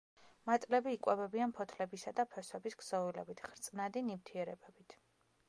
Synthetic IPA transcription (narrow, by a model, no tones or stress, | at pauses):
mat̪sʼlɛbiːkʼwɛbɛbianpʰɔt̪ʰlɛbisad̪apʰɛswɛbisɡz̥ɔvilɛ̰bit̪ʰχɾt̪sʼnad̪inimt̪ʰiɛɾɛbɛbit̪ʰ